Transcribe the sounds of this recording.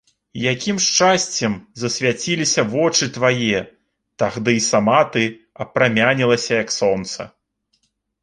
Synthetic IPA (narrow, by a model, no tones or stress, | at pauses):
jakʲimʂt͡ʂasʲt͡sʲɛmzɐsʲvʲat͡sʲilʲisʲɐvɔt͡ʂɨt̪vaji | t̪aɣd̪ɨisamat̪ɨ | ɐpɾamʲanʲilˠɐsʲɐjɐksɔnt̪sɐ̰